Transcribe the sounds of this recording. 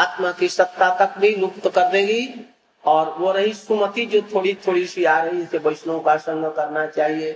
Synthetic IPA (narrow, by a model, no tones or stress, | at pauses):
aːt̪makisɐkt̪ːat̪ək̚bʱinʊk̚t̪kəɾd̪eɡi | ɔːɾʋoɾəɦisumət̪id͡ʒot̪ʰoːɽit̪ʰoːɽiʃiaːɾəɦiɪsebəɪʃnõkasə̃ŋɡəkɐɾnat͡ʃaːɦie